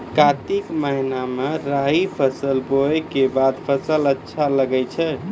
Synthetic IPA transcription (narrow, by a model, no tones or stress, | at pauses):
kat̪ikməɦinameɾaɦipʰəsəlbojkebad̪pʰəsələtːʃʰaləɡɛjt͡ʃʰɛ